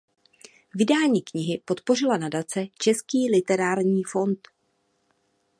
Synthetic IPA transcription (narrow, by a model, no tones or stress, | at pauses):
vɪdaːɲiːkɲɪɦɪpo̞t̪po̞r̝ɪlanadat͡sɛt͡ʃɛskiːlɪt̪ɛɾaːɾɲiːfo̞nt̪